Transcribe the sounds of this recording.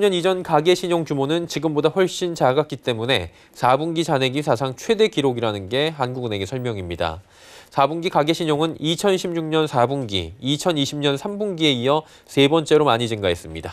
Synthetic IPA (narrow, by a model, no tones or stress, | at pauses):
ɲʌnid͡ʑʌnkaɡe̞ɕʰiɲoŋt͡ɕumonɯnt͡ɕiɡɯmbodaɸwʌɭɕ͈int͡ɕaɡak͈it͈e̞mune̞ | sabuŋɡit͡ɕane̞ɡisʰasʰaŋt͡ɕʰwe̞de̞kiɾoɡiɾanɯnɡe̞ɦanɡuɡɯne̞ɡe̞sʰʌɭmjʌŋimɲida̰ | sʰabuŋɡikaɡe̞ɕʰiɲoŋɯnit͡ɕʰʌnɕʰimɲuŋɲʌnsʰabuŋɡḭit͡ɕʰʌniɕʰimɲʌnsʰambuŋɡie̞ijʌ | se̞bʌnt͡ɕ͈e̞ɾomaɲid͡ʑinɡae̞s͈ɯmɲida